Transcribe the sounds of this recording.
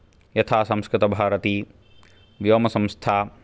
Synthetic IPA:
jɐt̪ʰaːsɐ̃mskɾɪt̪ɐbʱaːɾɐt̪iː | ʋjoːmɐsɐ̃mst̪ʰaː

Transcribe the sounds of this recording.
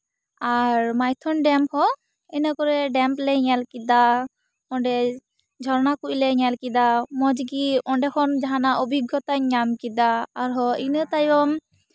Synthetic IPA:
aɹmajt̪ʰɔnɖɛmphɔ | ɛnakɔɾɛɖɛmplɛɲɛlkid̪a | ɔɳɖɛ | d͡ʒʱɔɾnakuʔjlɛɲɛlkid̪amɔd͡ʒɡiɔɳɖɛkʰɔnd͡ʒaɦanaʔobʱiɡjɔt̪aɲamkid̪aːɾɦɔinɯt̪ajbɔm

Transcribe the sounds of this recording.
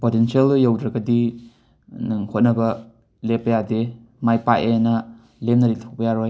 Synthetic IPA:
potensieljawdɾɐɡɐdi | nɯŋhot̚nɐbɐ | lepːɐjade | majpaʔenɐ | lemnɐlitʰak̚bɐjaɾoj

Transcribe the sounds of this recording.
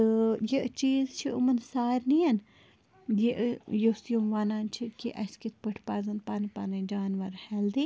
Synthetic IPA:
jet͡ʃiːzt͡ʃʰiumənsaːɾniɐn | jeʔjosjomʋaːnaːnt͡ʃʰikiʔɐskit̪̚ʰpəʈʰpaːzɐnpaːnpa̰ːned͡ʒaːnʋəɾhɛld̪i

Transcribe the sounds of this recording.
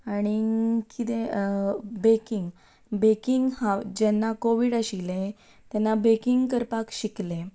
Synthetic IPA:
aɽ̃ikit̪e | bekiŋɡ | bekiŋɡhãd͡ʑɛnːakoʋiɽəɕilẽ | t̪jɛnːabekiŋɡkəɾpakɕiklẽ

